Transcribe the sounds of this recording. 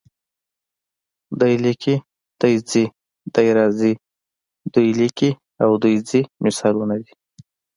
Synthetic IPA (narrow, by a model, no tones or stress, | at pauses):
d̪ujlikʰi | d̪̥əjd͡zi | d̪̥əjɾɑzi | d̪ujliki | awd̪ujd͡zimɪsɑlunad̪i